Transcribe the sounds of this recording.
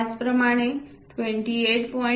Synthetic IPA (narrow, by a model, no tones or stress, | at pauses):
spɾəmaːɽ̃e | ʈʰʋẽɳʈieʈpɔ